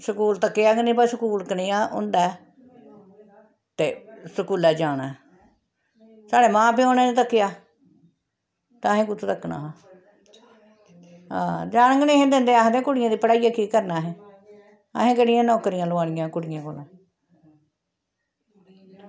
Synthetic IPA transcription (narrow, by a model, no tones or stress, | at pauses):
səkuːlt̪əkːeaːɡənĩːpasəkuːlkəniːãːʔʊ̰nd̪ɛː | t̪eːsəkuːlɛːd͡ʒaːɽ̃aː | saːɽeːmãːp̬iːoːnẽːnet̪əkːɪjaː | t̪ãːɦẽːkʊt͡ʃʰt̪əkːna̰ːɦa | ɦã̰ːd͡ʒaːñə̃ŋɡənẽːɦẽːd̪ẽnd̪eːaɦd̪ẽːkʊɽɪjãːd̪iːpəɽaːijaːkiːkəɾnaːɦɛ̃ː | ə̰ɦẽːkəɽɪjãːnɔːkəɾɪjãːloaːɽ̃ɪjãːkʊɽɪjãːkoːlãː